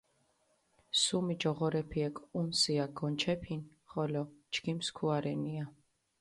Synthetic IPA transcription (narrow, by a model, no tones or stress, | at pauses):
sumid͡ʒɔʁɔɾɛpʰiɛkʼunsiaɡɔnt͡ʃʰɛpʰin | χɔlɔt͡ʃɡimskʰuaɾɛnia